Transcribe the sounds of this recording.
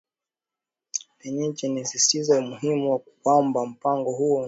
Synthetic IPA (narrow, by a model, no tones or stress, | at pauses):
pɛɲɛt͡ʃɛnisistizamuɦimuwakukwambam̩paŋɡɔhuɔ